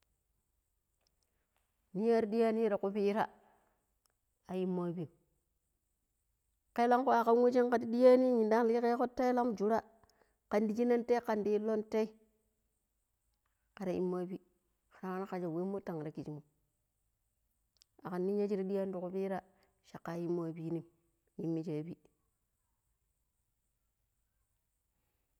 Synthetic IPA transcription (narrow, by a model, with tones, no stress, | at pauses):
ni˦ja˦ɾdi˦a˦ni˦ɾa˨ku˦pi˦ɾa˦ | a˨ji˦mːa˦bi˨m | ke˦la˦ŋko˦a˨ka˦nwe˦t͡ʃi˦ŋka˨ti˦di˦ja˦ni˦ɲi˨nda˦ŋ˦li˦ke˦ko˦tːa˦i˦la˦md͡ʒu˨ɾa˦ | ka˨ndi˨d͡ʒi˦na˦nte˦ka˨ndi˦lo˦nte˦i˦ | ka˨ɾa˨ʔḭ˦mː˦a˦bi˦ | xa˨ɾa˦a˦na˦ka˨d͡ʒa˨we˦mːo˦ta˨ŋ˨ɾa˨ki˨t͡ʃi˨mo˨ | a˨ka˨nːi˦ɲa˦d͡ʒi˦ɾa˦di˦ja˦n˦du˨ku˦pi˦ɾa˦ | ʃa˨kːa˨˦ji˦mː˦a˦bi˦ni˦m | ji˨˦mːi˦d͡ʒa˨bi˦